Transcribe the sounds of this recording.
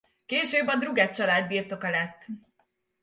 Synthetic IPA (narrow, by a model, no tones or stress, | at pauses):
keːʃøːbɒd̪ruɡɛt̪t͡ʃɒlaːd̪biːrt̪o̞kɒlɛt̪ː